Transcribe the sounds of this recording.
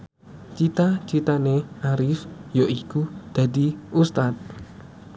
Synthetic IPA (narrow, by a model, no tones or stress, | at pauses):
t͡ʃit̪at͡ʃit̪aneʔaɾɪfjoʔikud̪̥ä̤d̪i̤ʔust̪at̪̚